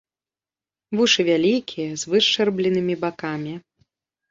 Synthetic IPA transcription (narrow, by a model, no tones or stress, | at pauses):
vuʂɨvʲalʲikʲʰijɐzvɨʂt͡ʂɛrblʲinɨmʲibakamʲi